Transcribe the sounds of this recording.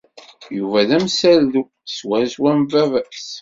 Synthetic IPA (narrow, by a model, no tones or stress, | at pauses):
juvæðæmsælðu | swæɾswæmvævæs